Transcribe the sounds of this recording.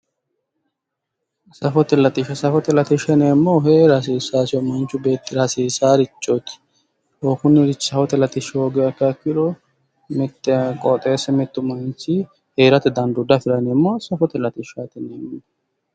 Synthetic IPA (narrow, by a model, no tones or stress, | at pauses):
sɐfɔt̪ɛlɐt̪ɪʃɐsɐfɔt̪ɛlɐt̪ɪʃɐneːmːoɦeːɾɐs̬iːsaːsɪɔmɐnt͡ʃːʊbe̞ːt̪ːɪɾɐsiːsaːɾɪt͡ʃʼːɔt̪ɪ̥ | okʊnːɛɾɪt͡ʃːsɐfɔt̪ɛlɐt̪ɪʃoɡɛɐkːɐkːɪɾɔ | mɛt̪ːɛkʼɔt̪ʼeːsɛmɛt̪ːʊmɐnt͡ʃɪ | heːɾɐt̪ɛd̪ɐnd̪ʊd̪ɐfɪɾɐneːmːosɐfɔt̪ɛlɐt̪ɪʃat̪ɛneːmː